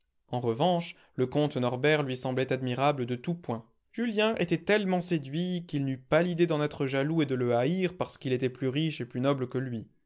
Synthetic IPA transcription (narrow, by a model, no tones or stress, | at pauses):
ɑ̃ʁəvɑ̃ʃ | ləkɔ̃t̪nɔʁbɛʁlɥisɑ̃blɛt̪ad̪miʁabləd̪ət̪upwɛ̃ | ʒ̥yljɛ̃ʔet̪ɛt̪ɛlmɑ̃sed̪ɥikilnypalid̪ed̪ɑ̃nɛt̪χəʒalued̪ələaiʁpaʁsə̥kilet̪ɛplyʁiʃeplynɔbləkəlɥi